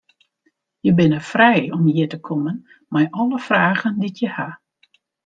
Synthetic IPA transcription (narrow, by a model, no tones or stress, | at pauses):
jəbɪnəfrɛjɔmjɪtəkʰomən | majʔɔləfraːɣənditʰjəha